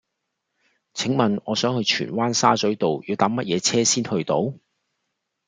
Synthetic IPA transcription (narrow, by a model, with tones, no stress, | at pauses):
t͡sʰɪ˨˥ŋmɐ˨nɔ̰ː˨˧sœː˨˥ŋhɵ˧ɥt͡ʃʰy̰ː˨˩nwaː˥nsa̰ː˥t͡sɵ˨˥ɥt̪o˨wjiː˨˧wt̪aː˨˥mɐ˥t̚jɛː˨˧t͡sʰɛː˥siː˥nhɵ˧ɥt̪o˨˧˥w